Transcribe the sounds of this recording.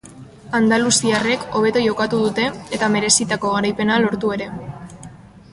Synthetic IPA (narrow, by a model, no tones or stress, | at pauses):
and̪alusiare̞ko̞β̞e̞t̪ojo̞kat̪uð̞ut̪e̞ːt̪ame̞ɾe̞sit̪ako̞ɣ̞aɾajpe̞nalo̞ɾt̪ue̞ɾe̞